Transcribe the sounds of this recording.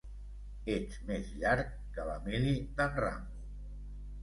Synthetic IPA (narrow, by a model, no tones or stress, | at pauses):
et͡smezʎaɾkːələ̰miliðənra̰ŋɡu